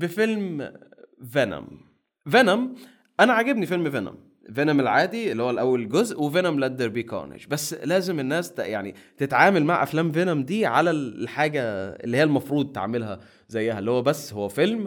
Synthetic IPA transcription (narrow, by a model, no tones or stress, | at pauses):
befelm | vænæ̰m | venæm | ʔænæʕaɡebnifelmvenæ̰m | venæmelʕaːd̪ielːihowːælʔæwːælɡozʔwevenæmlʔæd̪ːeɾbiːkɑ̰ːnḛʃbæsːlæːzemenːæːst̪jaʕnḭt̪et̪ʕaːmælmaʕʔæ̰flæːmvenæmd̪iːʕa̰læħaːɡæḛlːiːhiːælmɑfɾuːd̪̚ˤt̪a̰ʕmelɦæ | zæjːæhælːihowæbæsːhowːæfelm